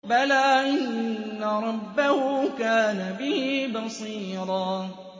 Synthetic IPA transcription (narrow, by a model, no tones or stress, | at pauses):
balaːʔɪnːaɾˤɑbːahʊkaːnabɪhɪbɑsˤiːɾˤɑː